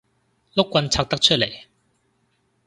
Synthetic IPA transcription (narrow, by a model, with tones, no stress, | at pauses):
lʊ˥kːʷɐ˧nt͡sʰaː˧˥k̚t̪ɐ˥k̚t͡ʃʰɵ˥t̚le˨˩j